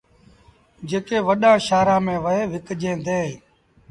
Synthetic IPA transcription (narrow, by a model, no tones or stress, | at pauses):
d͡ʒeːkeːʋəɗãːʃaːɾãːmẽːʋəɦeːʋɪkd͡ʒẽːd̪ẽː